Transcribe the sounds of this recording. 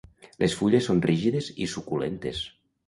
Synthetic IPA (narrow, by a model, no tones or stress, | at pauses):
lʔesfuʎesːonriʒiðezisukulḛnt̪es